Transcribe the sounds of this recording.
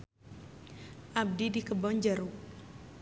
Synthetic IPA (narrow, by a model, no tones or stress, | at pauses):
ʔab̚didikəbɔɲd͡ʒaɾu